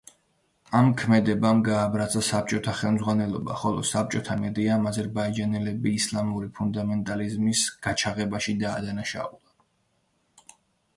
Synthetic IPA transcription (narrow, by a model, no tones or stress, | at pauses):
amkʰmɛd̪ɛbamɡaːbɾasʰʼasap̚t͡ʃʼɔt̪ʰaχɛlˠmzʁwanɛlˠɔbaχɔlˠɔ̰sap̚t͡ʃʼɔt̪ʰamɛd̪iamazɛɾbaid͡ʒanɛlɛbiːslˠamuɾipʰund̪amɛnt̪ʼalizmisɡ̥at͡ʃʰaʁɛbaʃid̪aːd̪anaʃa̰ulˠa